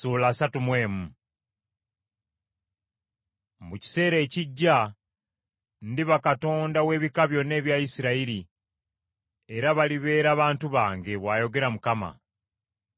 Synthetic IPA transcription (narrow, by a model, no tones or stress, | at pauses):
uːlaːsatumwe̞ːmu | muci̥se̞ːɾe̞ːciɟːa | ndiβakato̞ːndawe̞ːβikaβjo̞nːe̞ːβjajisiɾaiɾi | e̞ɾaβaliβe̞ːɾaːβaːntuβaːŋɡe̞βwaːjo̞ɡe̞ɾamukama̰